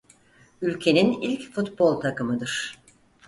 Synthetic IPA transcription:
ylʲcʰe̞ninilʲcfut̪bo̞lˠt̪ʰakɯmɯd̪ɯɾ̥

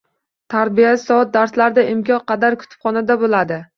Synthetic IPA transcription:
t̪ʰaɾbijasɒɒt̪̚d̪aɾslaɾɪd̪aʔɪmkʰʲɒnqɑd̪aɾkʰʊ̥t̪ʰɪ̥pχɒnad̪abolad̪ɪ

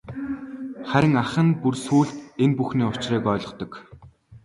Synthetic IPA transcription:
χæɾʲɪ̆ŋaχə̆npursuːɮt̪enpuxniːʊt͡ɕriːkœːɮɞ̆qt̪ɞ̆k

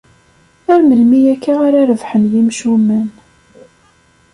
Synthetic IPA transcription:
æɾməlmijækːaʁaɾaɾəvħənjimʃumən

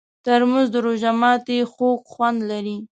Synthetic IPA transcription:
t̪aɾmuzd̪əɾoʒamɑt̪exokxwand̪laɾi

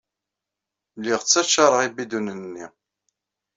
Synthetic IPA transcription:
lːiʁt͡sːæt͡ʃːɑɾˤəʁibid̪unənnːi

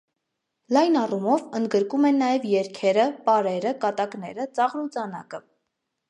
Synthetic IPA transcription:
lɑjnɑrumɔvənd̪̚ɡəɾkumɛnːɑjɛvjɛɾkʰɛɾəpɑɾɛɾəkɑt̪ɑkn̪ɛɾət͡sɑʁɾut͡sɑnɑ̰kə

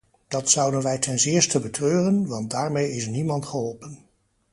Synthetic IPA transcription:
d̥ɑtsʌwdənʋɛjtʰɛnzɪːɹstəbətrøːrənʋɑntdaːɹmejɪs̬nimɑntχəɦɔlˠpən

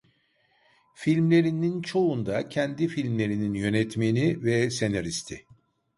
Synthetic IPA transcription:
filʲmlʲe̞ɾinint͡ʃʰo̞und̪acʰɛnd̪ifilʲmlʲe̞ɾininjø̞nɛt̪menivɛse̞naɾist̪ʰɪ

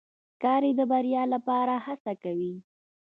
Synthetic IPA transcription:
kɑɾed̪əbaɾjɑlapɑɾahasakawi

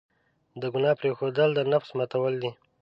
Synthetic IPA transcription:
d̪əɡʊnɑpɾexod̪əld̪ənafsmat̪awəld̪i

